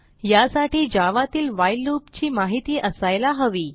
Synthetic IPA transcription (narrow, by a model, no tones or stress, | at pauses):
jasaʈiːd͡ʑaʋat̪iːlʋajlːupt͡ɕiːmaɦit̪iːʔəsajlaɦəʋiː